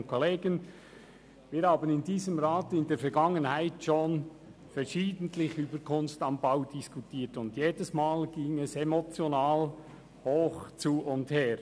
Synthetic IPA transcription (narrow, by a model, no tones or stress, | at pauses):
nkʰoleːɡən | viːɾhaːbənɪndiːzəmɾaːtɪndeːfɛɐɾɡɑŋənhaɪtʃon | fɛɾʃiːdən̩tlɪçyːbəɾkʰʊnstɑmbaʊd̥iskutʰiːtʊndjeːdəsmaːlɡiːŋɛsemot͡sjonaːl | hoːxt͡suʊntheːɾ